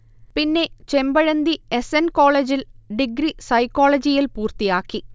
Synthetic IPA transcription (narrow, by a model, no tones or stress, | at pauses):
pinːe̞t͡ɕe̞mbɐɻɐnd̪iesenko̞ːɭeːd͡ʑilɖiɡɾisɐjkːo̞ːɭɐd͡ʑijilpuːrt̪ijaːkːi